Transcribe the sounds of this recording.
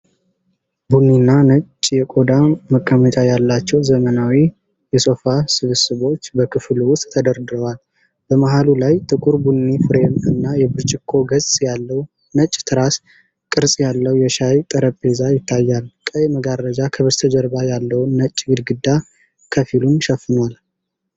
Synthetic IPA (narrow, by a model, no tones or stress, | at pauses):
bunːinːanət͡ʃʼːjɛkʼo̞d̪aməkʼːəmət͡ʃʼajalːat͡ʃːɛwzəmənawi | jɛso̞fasɨβɨsɨβo̞t͡ʃːbəkʰɨfluwʊst̪ʼːʰəd̪əɾd̪ɨɾəwal | b̥əmaɦalulajt̪ʰʼɨkʼuɾbunːifɨɾemɨnːajɛbɨɾt͡ʃʼɪkʰːo̞ɡəzʼjalːəw | nət͡ʃʼːt̪ʰɨɾas | kʼɨɾsʼjalːəwjɛʃajt̪ʼəɾəpʼːezajɪt̪ʰːajːalkʼəjməɡaɾːəd͡ʒakʰəβɨɾt̪ʰəd͡ʒəɾbajalːəwnːət͡ʃʼːɡɨd̪ɡɨd̪ːa | kʰəfilumʃɛfːɨnwal